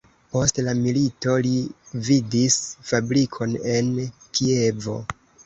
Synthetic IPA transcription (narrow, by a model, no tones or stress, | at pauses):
po̞stlamilito̞lividisfabɾikʰo̞ne̞nkie̞vo̞̰